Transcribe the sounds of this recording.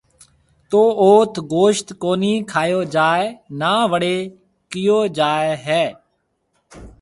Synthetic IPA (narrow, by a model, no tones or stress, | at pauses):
t̪oːoːt̪ʰɡoːʃt̪koːniːkʰaːjoːd͡ʒaːenaːʋəɽeː | kɪjoːd͡ʒaːeɦɛː